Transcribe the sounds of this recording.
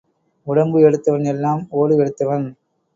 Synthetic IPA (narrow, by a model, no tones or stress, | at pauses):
ʊɽɐmbɯɛɽɯt̪ːɐʋɐnɛlːaːmoːɽɯɛɽɯt̪ːɐʋɐn